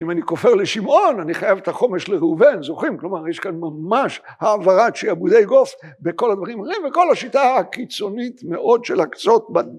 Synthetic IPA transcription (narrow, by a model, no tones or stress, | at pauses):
imaniko̞fe̞ʁleʃimʔo̞naniχajavet̪aχo̞me̞ʃleʁeuvenzo̞χimklo̞maʁjeʃkanmamaʃhaːvaʁaʃeiabud̪ejɡo̞fbeko̞lhad̪vaʁimhaʁimveko̞laʃitaakit͡so̞nit̪meʔo̞d̪ʃelakt͡so̞t̪̚ba